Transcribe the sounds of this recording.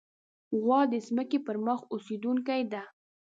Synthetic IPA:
ɣwɑd̪əzməkepəɾməxosed̪uŋkajd̪a

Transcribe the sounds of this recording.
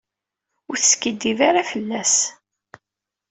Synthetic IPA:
ʊɾθəskəd̪ːivaɾafəlːæs

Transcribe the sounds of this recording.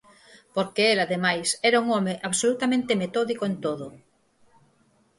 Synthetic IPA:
poɾkeelaðemajsɛɾauŋɔmeʔaβsolut̪amẽnt̪emet̪ɔðikoent̪oðʊ

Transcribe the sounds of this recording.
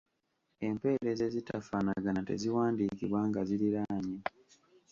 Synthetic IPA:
e̞mpe̞ːɾe̞ze̞zitafanaɡanatḛziwaːndikiβwaŋɡaziɾiɾaɲi

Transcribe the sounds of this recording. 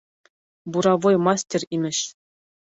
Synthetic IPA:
buɾɑʋojmɑsʲtʲerʲimʲɘ̆ɕ

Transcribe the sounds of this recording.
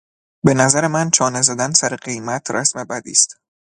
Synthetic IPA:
be̞næzæɾe̞mænt͡ʃʰɒːnezæd̪ænsæɾeɢe̞jmæt̪ʰɾʔæ̰smebæd̪ḭːst̪

